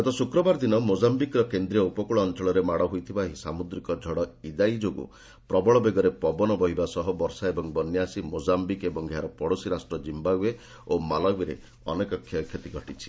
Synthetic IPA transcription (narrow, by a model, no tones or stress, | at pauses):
ɡɔt̪ɔsukɾɔbaɾd̪inɔmod͡ʒambikɾɔkend̪ɾijɔupɔkuɭɔːnt͡ʃɔɭɔɾemaɽɔɦujt̪ʰibaɦisamud̪ɾikɔd͡ʒʱɔɽɔid̪ajid͡ʒoɡṵ | pɾɔbɔɭɔbeɡɔɾepɔbɔnɔbɔɦibasɔɦɔbɔɾsaebɔŋbɔnjasimod͡ʒambikebɔŋɡʱjaɾɔpɔɽosiɾasʈɾɔd͡ʒimbaɡue | omalɔɡiɾḛ | ɔ̰nekɔkʰːkʰjet̪iɡʱɔʈit͡ʃʰi̥